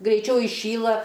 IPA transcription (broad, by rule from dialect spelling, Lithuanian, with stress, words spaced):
ɡrʲɛɪˈt͡ʃʲɛʊ ɪˈʃʲiːlˠɐ